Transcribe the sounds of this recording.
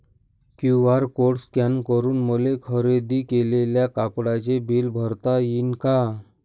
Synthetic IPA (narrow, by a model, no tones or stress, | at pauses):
kjuʋaɾkoʈskankəɾuːnmulekʰəɾed̪iːkeleljakapɽat͡ɕebʱiːlbʱəɾt̪ajiːnka